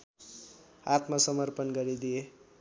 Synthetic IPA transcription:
at̪masʌmʌrpʌnɡʌɾid̪ije

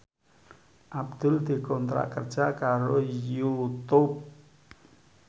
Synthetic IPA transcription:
ʔab̚d̪̥ʊld̪̥i̤kɔnt̪ɾa̰ʔkər̥ʒ̥akaɾojut̪up̚

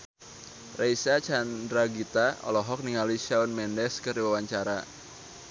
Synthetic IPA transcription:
rejsat͡ʃandɾaɡit̪aɔ̰lɔɦɔk̚niŋaliʃaɔnmɛndɛskɨriwawaɲt͡ʃaɾa

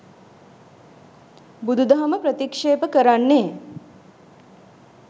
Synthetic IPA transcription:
bud̪ud̪ɐɦɐməpɾət̪ikʂeːpəkəɾanːeː

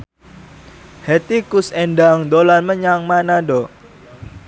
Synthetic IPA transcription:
hɛt̪ikʊsɛnɖaŋd̪olanməɲaŋmanadɔ

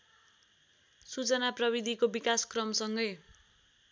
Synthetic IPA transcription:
sut͡sʌnaprʌβid̪ʱikobikaskrʌmsʌŋɡʌj

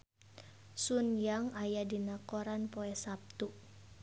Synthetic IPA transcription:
sunjaŋajadinakoɾanpoɛsap̚t̪u

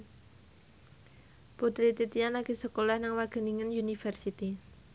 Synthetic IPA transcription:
put̪ɾit̪it̪ianlaɡ̥isəkolahnaŋwaɡ̥ə̤niŋənjunifərsit̪i

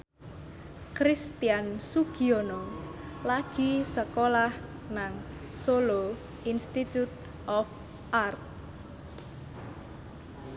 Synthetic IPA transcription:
kɾist̪iansuɡ̥ionɔlaɡ̥i̤səkolah | naŋ | solo | inst̪it̪jut̪̚ | ʔɔf | ʔart̪̚

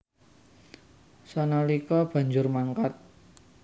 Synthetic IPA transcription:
sɔnɔlikɔb̥ä̤ɲd͡ʒʊrmaŋkat̪̚

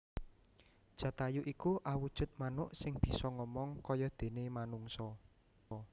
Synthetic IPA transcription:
d̥ʒ̥ä̤t̪ajuʔikuʔawud̥ʒ̥ʊ̤t̪̚manʊʔsɪŋb̥i̤sɔŋɔmɔŋkɔjɔd̪̥e̤nemanuŋsɔ

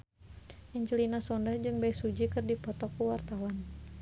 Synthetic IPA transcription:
ʔiɲt͡ʃulinasɔndahd͡ʒɨŋbajsud͡ʒikɨrdipɔt̪ɔkuwart̪awan

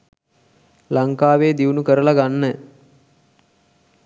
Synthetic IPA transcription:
laŋkaːʋeːd̪iunukəɾəlaɡanːə

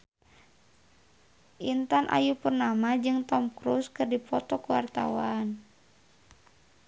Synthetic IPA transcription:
ʔint̪anʔa̰jupurnamad͡ʒɨŋt̪ɔmkɾuskɨrdipɔt̪ɔkuwart̪a̰wan

